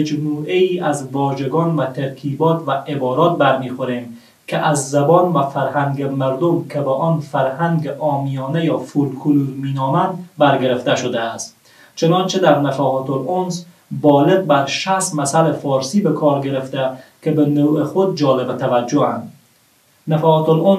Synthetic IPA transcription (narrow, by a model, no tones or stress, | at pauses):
ed͡ʒmuːʔeiːʔæzvɒːʒeɡɒːnvæt̪ʰeɾkʰiːbɒːt̪ʰvæʔebɒːɾɒːt̪̚bæɾmiːxoɾeːm | kʰeʔæzːæbɒːnvæfæɾhæŋɡemæɾd̪omkʰebeʔɒːnfæɾhæŋɡeʔɒːmijɒːnejɒːfulkʰuluzmiːnɒːmænd̪bæɾɡeɾeft̪eʃod̪ææst̪ | t͡ʃʰenɒnt͡ʃʰed̪æɾnæfæɦɒt̪ʰolons | bɒːleɡ̚bæɾʃæsmæsælefɒːɾsiːbekʰɒːɾɡeɾeft̪ækʰebenoɾuːexod̪̚d͡ʒɒːlebet̪ʰævæd͡ʒːohænd̪ | næfæːt̪olon